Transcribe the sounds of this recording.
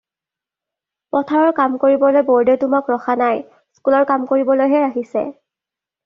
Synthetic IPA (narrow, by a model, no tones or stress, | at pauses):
pɔtʰaɹɔɹkamkoɹibɔlojbɔɹdetʊmakɹɔxanaj | skulɔɹkamkoɹibɔlojɦɛɹaɦisɛ̰